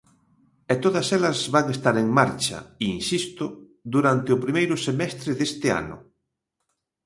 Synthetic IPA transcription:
ɛt̪oðɐselɐzβaŋest̪aɾeŋmaɾt͡ʃɐ̰iinsist̪ʊ | d̪uɾant̪eʊpɾimejɾʊsemɛst̪ɾeðest̪ea̰nʊ̰

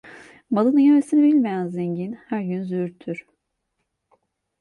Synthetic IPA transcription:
malˠɯnɯjemesinibilʲmejænzeɲɟinhæɾɟynzyyɾt̪ʰyɾ̥

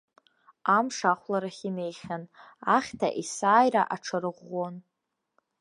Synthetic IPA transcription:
amʂaχʷlaɾaχʲine̞jχʲanaχʲtʰa̰ʔisaːjɾa̰ʔaʈ͡ʂʰaɾɨʁon

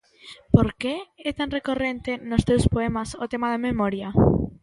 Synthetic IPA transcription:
poɾkeɛt̪anrekorent̪enʊst̪ewspoɛmasot̪emaðamemoɾja

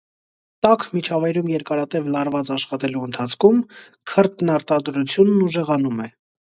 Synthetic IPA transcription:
t̪ɑkʰmit͡ʃʰɑvɑjɾumjɛɾkɑɾɑt̪ɛvlɑɾvɑt͡sɑʃχɑt̪ɛluənt̪ʰɑt͡sʰkʰum | kʰəɾt̪nɑɾt̪ɑd̪ɾut͡sʰjunːuʒɛʁɑnumɛ

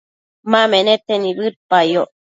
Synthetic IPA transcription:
mamenet̪enibɨɾpajoʔ

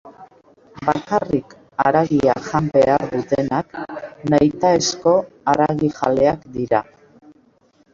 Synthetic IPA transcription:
bakarik | aɾaɣiaʝambe̞aɾðut̪e̞naknajt̪aesko̞aɾaɣiʝale̞akd̪iɾa

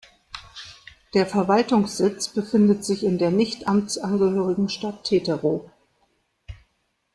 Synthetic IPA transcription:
d̥eːɐfɛɐvaltʊŋsz̥ɪt͡sb̥əfɪndətz̥ɪçɪndeːɐnɪçtʔamt͡sʔanɡəhøːʁɪɡŋ̩ʃtatʰːeːtəʁoː

